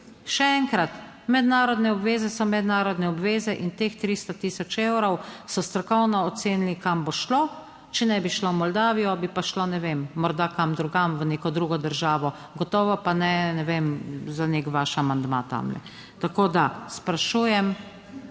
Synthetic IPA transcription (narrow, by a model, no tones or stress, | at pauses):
ʃɛɛŋkɾat̪ | mɛd̪naːɾɔd̪nɛɔbʋeːzɛsɔmɛd̪naːɾɔd̪nɛɔbʋeːzɛʔint̪eːxt̪ɾiːst̪ɔt̪iːsɔt͡ʃewɾɔwsɔst̪ɾɔkɔwnɔːt̪seːnilikamboʃlo | t͡ʃɛnɛbiʃlomɔld̪aːʋijɔbipaʃlonɛʋemːɔɾd̪akamd̪ɾuɡamʋəneːkɔd̪ɾuːɡɔd̪əɾʒaːʋɔ | ɡɔt̪ɔːʋɔpanɛnɛʋemzanekʋaʃamand̪ma̰t̪a̰mlɛ̰ | t̪akoːd̪aspɾaʃuːjɛm